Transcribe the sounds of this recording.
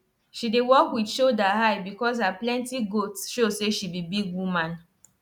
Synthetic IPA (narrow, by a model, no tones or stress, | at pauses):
ʃidɪwɔkwidʃodaɦaɪbikɔzaplɛ̃ntiɡotsʃoseʃibibiɡwumãn